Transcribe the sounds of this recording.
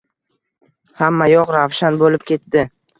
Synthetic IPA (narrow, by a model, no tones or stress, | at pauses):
hamːajɒqɾavʃanbolɪp̚kʲʰe̞t̪ːɪ